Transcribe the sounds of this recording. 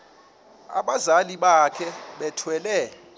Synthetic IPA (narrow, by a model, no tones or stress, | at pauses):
a̰ɓazaliɓakʰɛɓɛtʰwɛlɛ